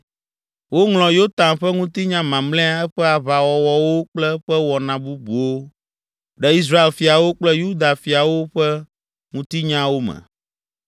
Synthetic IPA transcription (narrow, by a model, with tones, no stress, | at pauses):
wo˦ŋl̃ɔ̃˨jo˦t̪ã˨nɸɛ˦ŋũ˦t̪i˦ɲã˦mã˨mlɛ̃˦a˦ɛ˦ɸɛ˦a˨βa˨wɔ˨wɔ˨wo˦k͡plɛ˦ɸɛ˦wɔ˨nã˨bu˦bu˨wo˦ | ɖɛ˦i˦s̬ɾa˦e˨lfi˨a˨wo˦k͡plɛ˦ju˦d̪a˨fi˨a˨wo˦ɸɛ˦ | ŋũ˦t̪i˦ɲã˦wo˦mɛ̰̃˨